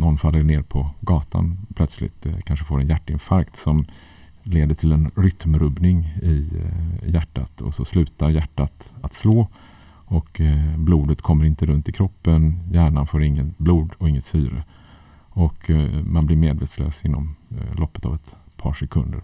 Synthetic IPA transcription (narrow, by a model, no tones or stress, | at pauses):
nɔnfalːəɳeːɾpʰɔɡɑːt̪ʰa̰npʰlœt̪slɪ̰t̪kʰanʂəfoːɾɛnjæʈːɪnfaɾkt̪sɔm | leːd̪əʈʰɪlɛnɾʏt̪mɾɵbnɪŋɪ | jæʈːa̰t̪ʰɔ̰sɔslʉ̟ːt̪aɾjæʈːat̪at̪sloː | ɔkbluːd̪ət̪kʰɔmːəɾɪnt̪əɾɵnt̪ɪkʰɾɔpːənjæːɳanfoːɾɪŋːənbluːd̪ɔɪŋːət̪syːɾə̰ | ɔkmanblɪɾmeːd̪veːt̪slø̰ːsɪnːɔ̰mlʔɔpːə̥t̪a̰vɛt̪pʰɑ̰ːʂɛkʰɵnd̪ə̰ɾ